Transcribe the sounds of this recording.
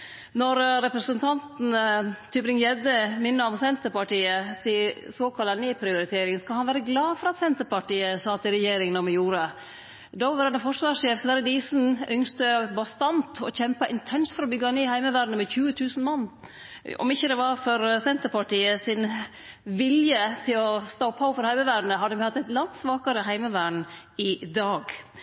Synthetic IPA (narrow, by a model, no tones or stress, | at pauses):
nɔɾɾɛpɾəsənt̪ʰɑnt̪n̩t̪ʰybɾɪŋjɛd̪əmɪnːəɔmsɛnt̪əɾpɑʈiːəsisoːkʰɑlɑnɛpʰɾɪʊɾɪt̪ʰeːɾɪŋənskɑlhɑnʋæːɾəɡlɑːfɔɾɑt̪sɛnt̪əɾpɑʈiːəsɑːt̪ɪɾɛjeːɾɪŋənɔmɪjuːɾə | d̪ɔʋəɾɛnəfɔʂʋɑːʂeːfsʋɛɾəd̪iːsn̩ʏŋst̪əbɑst̪ɑnt̪ɔçɛmpɑʔɪnt̪ʰɛnsfɔɾɔbʏɡɑneːhæɪməʋæːɖɳəmɛçʉːət̪ʰʉːsn̩mɑnː | ɔ̰mɪçːəd̪ɛʋɑɾfɔɾsɛnt̪əɾpɑʈiːəsɪn | ʋɪljət̪ʰɪlɔst̪oːpʰhɑfɔɾhæɪməʋæːɖnəɦɑd̪ːəmhɑt̪ːæɪt̪lɑnt̪sʋɑːkɑɾəɦæɪməʋæːɳ | ɪd̪ɑːɡ